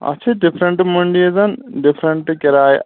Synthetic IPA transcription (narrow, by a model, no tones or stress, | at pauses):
ɐ̰t͡ʃʰidipʰɾɐɳʈmuɳɖiezɐnɖipʰɾɐɳʈkeɾaːj